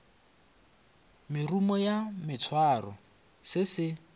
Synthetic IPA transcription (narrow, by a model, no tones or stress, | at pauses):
mɪrumɔjamɪt͡sʰwarɔ | sɪsɪ